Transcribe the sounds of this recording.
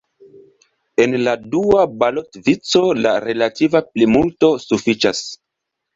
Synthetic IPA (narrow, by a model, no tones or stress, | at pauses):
e̞nladuabalo̞tvit͡so̞la̰ɾe̞lativaplimulto̞sufit͡ʃas